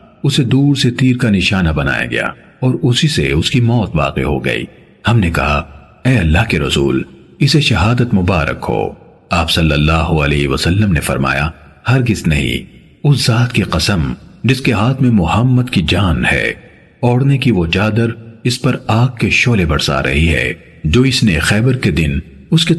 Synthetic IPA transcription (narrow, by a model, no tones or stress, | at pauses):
ʊsed̪uːɾset̪iːɾkanɪʃaːnabɐna̰ːja̰ɡɐ̰ja̰ː | ɔːɾʊsisḛʊskimɔːt̪ʋa̰ːqḛɦo̰ɡɐ̰ḭː | hɐmnekɐɦa̰ | ɛːɐlːaɦkeɾɐsṵːlɪseʃɐɦaːd̪ət̪mʊbaːɾə̰kɦo̰ː | aːpsɐlːəlːaːɦoɐlɛːɦʋɐsɐlːəmnefɐ̰ɾma̰ːja̰ | hɐɾɡɪznɐɦḭ̃ | ʊszaːt̪kiqɐsəmd͡ʒɪskeɦaːt̪ʰmẽmʊhəmːəd̪kid͡ʒaːnhɛ̰ː | ɔːɽnekiʋot͡ʃaːd̪əɾɪspɐɾaːkkːeʃoːlebɐɽsa̰ɾɐ̰ɦiɦɛ̰ː | d͡ʒoːɪsnexɛːbəɾked̪ɪn | ʊske